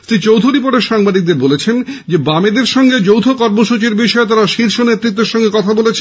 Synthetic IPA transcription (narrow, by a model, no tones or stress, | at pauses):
sɾit͡ɕowd̪ʱuɾipoɖeɾʃaŋbad̪ik̚d̪eɾbolet͡ɕʰend͡ʑebamed̪eɾʃɔŋɡed͡ʑowt̪ʰokɔɾmoʃut͡ɕiɾbiʃɔet̪aɾaʃiɾʃonet̪ːɾit̪̬ːeɾʃɔŋɡekɔt̪ʰabolet͡ɕʰ